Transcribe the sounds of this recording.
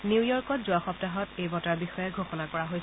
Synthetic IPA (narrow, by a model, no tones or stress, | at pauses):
nijɔɹkɔtzʊaxɔp̚taɦɔtejbɔtaɹbixɔjɛɡʱoxɔnakɔɹaɦojs